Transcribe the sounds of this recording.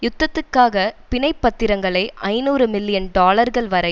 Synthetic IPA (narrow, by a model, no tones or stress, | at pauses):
jʊt̪ːɐt̪ːɯkːaːɣɐpɪnɐɪpːɐt̪ːɪɾɐŋɡɐɭɐɪʔɐɪnuːɾɯmɪlːɪjɐnɖaːlɐɾɣɐɭʋɐɾɐɪ